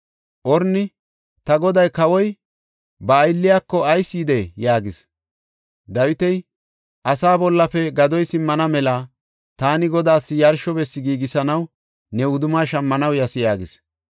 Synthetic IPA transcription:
ʔɔɾnɪ | t̪ɐɡɔd̪ɐjkɐwɔj | bɐːjlːɪjaːkːɔɐjsːiːd̪ejaːɡɪs | d̪ɐwɪt̪ɛj | ʔɐsaːbɔlːɐfɛɡɐd̪ɔjsɪmːɐnɐmɛla | t̪aːnɪɡɔd̪aːsːɪjɐɾʃɔbɛsːɪɡiːɡɪsɐnɐw | nɛʊd̪ʊmaːʃɐmːɐnɐwjɐsɪjaːɡɪs

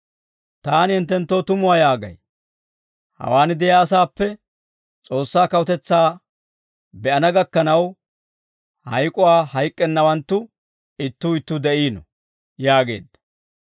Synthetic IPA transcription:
t̪aːnhɪnt̪ːɛnt̪ːoːt̪ʊmʊwaːjaːɡɐ̰j | hɐ̰waːnɪd̪ɛjaːsaːpːɛ | t͡sʼo̞ːsːaːkɐwɔt̪ɛt͡sːaː | bɛɐnɐɡɐkːɐnɐw | hɐjkʼʊwaːhɐjkʼːɛnːɐwɐnt̪ːʊ | ɪt̪ːuːɪt̪ːʊd̪ɛʔiːnɔ̰ | jaːɡe̞ːd̪ːɐ̥

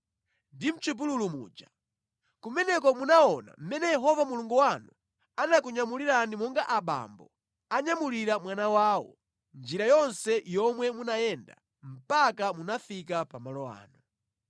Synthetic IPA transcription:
ndim̩t͡ʃip̬ululumṵːd͡ʒa | kumɛnɛkɔmunaɔna̰m̩mɛnɛjɛɦɔvamuluŋɡuwanu | anak̬uɲamuliɾanimɔŋɡaʔaɓa̰mbɔ̰ | aɲamuliɾamwanawaːwɔ̰ | nd͡ʒiɾajɔnsɛjɔmwɛmunajɛnda̰ | m̩pakamunafikapamalɔa̰ːnu

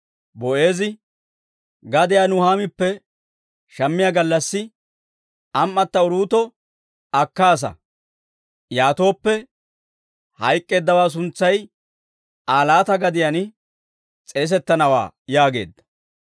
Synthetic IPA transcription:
bɔʔe̞ːzɪ | ɡɐd̪ɪjaːnʊhaːmɪpːɛ | ʃɐmːɪjaɡɐlːɐsːɪ | ɐmːɐt̪ːɐʊɾuːt̪ɔ | ɐkːaːs̬ɐ̰ | jaːt̪o̞ːpːɛ | hɐjkʼːe̞ːd̪ːɐwaːs̬ʊnt͡sːɐj | aːlaːt̪ɐɡɐd̪ɪjan | t͡sʼeːs̬ɛt̪ːɐnɐwa̰ːjaːɡe̞ːd̪ːɐ̥

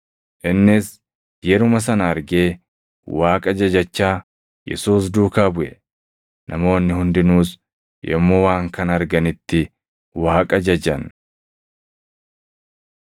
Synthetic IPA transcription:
ʔɪnːɪs | jɛɾʊmɐs̬ɐnɐɐɾɡe̞ː | waːkʼɐd͡ʒɐd͡ʒɐt͡ʃːaː | jɛ̰suːs̬d̪uːkaːbʊʔɛ̰ | nʔɐmo̞ːnːɪhʊnd̪ɪnuːs | jɛ̰mːoːwaːŋkɐnɐɾɡɐnɪt̪ːɪ | waːkʼɐd͡ʒɐd͡ʒɐn

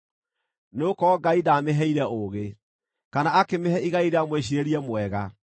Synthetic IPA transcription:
neokɔɡaidaːmeɦɛiɾɛoɣe | kanaakemehɛʔiɣaiɾeamweɕ̬iɾeɾiɛmwɛɣa

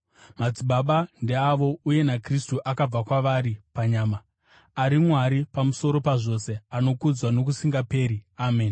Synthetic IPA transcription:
mad͡ziɓaɓandeaʋo̞uje̞nakristuʔakab͡vakwaʋaɾipaɲaːma | aɾimwaɾipamuso̞ɾo̞paʐo̞se̞ano̞kud͡zwano̞k̬usiŋɡape̞ːɾiaːmeːn

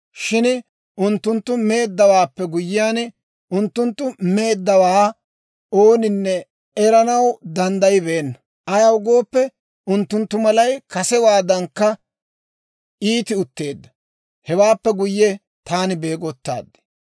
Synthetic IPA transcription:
ʃɪn | ʔʊnt̪ːʊnt̪ːʊme̞ːd̪ːɐwaːpːɛɡʊjːɪjaːn | ʊnt̪ːʊnt̪ːʊme̞ːd̪ːɐwaː | oːnɪnːɛ | ɛɾɐnɐwd̪ɐnd̪ɐjbeːnːɐ | ɐjɐwʊɡo̞ːpːɛ | ʊnt̪ːʊnt̪ːʊmɐlɐjkɐsɛwaːd̪ɐŋkːɐ | iːt̪ɪʊt̪ːe̞ːd̪ːɐ | hɛwaːpːɛɡʊjːɛ | t̪aːnɪbe̞ːɡɔt̪ːa̰ːd̪ːɛ̥

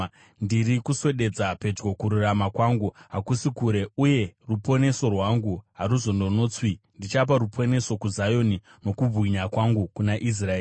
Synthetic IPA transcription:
ndiɾikuse̞ɗe̞d͡zape̞d͡ʒɡo̞kuɾuramakwaŋɡuɦakusikuɾe̞uje̞rupo̞ne̞so̞rwaŋɡuɦaɾuzo̞ndo̞noːt͡swindit͡ʃap̬aɾupʰo̞ne̞so̞kuzajo̞ni | no̞kub͡vwiɲakwaŋɡukunaʔis̬raeː

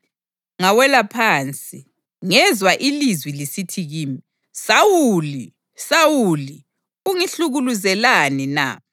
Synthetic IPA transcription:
ŋawɛlapʰaːnt͡sʼi | ŋɛzwaʔilizwilisitʰiɣiːmi | sawuuli | sawuli | uŋiɬuɣuluzɛlanina̰

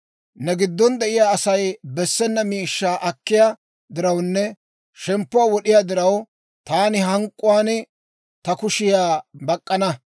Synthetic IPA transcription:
nɛɡɪd̪ːɔnd̪ɛʔɪjaːɐsɐjbɛsːɛnːɐmiːʃːaːʔɐkːɪja | d̪ɪɾɐwnːɛ | ʃɛmpːʊwaːwɔɗɪjad̪ɪɾɐw | t̪aːnɪɦɐŋkʼːʊwaːn | t̪ɐkʊʃɪjaːbɐkʼːɐnɐ

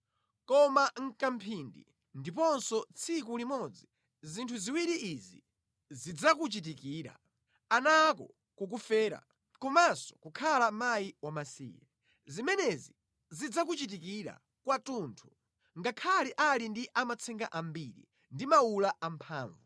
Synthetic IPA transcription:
kɔmaŋ̩kam̩pʰindḭ | ndipɔnsɔt͡sʰik̬ulimɔd͡zi | zintʰuziwiɾiʔizḭ | zid͡zak̬ut͡ʃit̬ikiːɾa̰ | anakɔ | kuk̬ufɛːɾa̰ | kɔmasɔ̥kukʰalamajiwamasḭːjɛ | zimɛnɛzi | zid͡zakut͡ʃit̬ikiɾa̰ | kwatuntʰu̥ | ŋɡakʰaliʔalindiʔamat͡sʰɛŋɡaʔambiɾḭ | ndimaulaʔampʰaːɱvu

